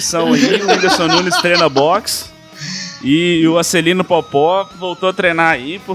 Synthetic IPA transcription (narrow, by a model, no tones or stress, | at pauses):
sɐ̃w̃ɐiʊĩd̪eɾsõnũnɪst̪ɾẽnɐbɔks | ɪʊaselĩnʊpɔpɔvowt̪oɐt̪ɾejnaaipʊ